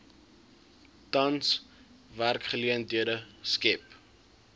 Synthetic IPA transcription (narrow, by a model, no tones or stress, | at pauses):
tɐns | værkχəliəndyədəskɛp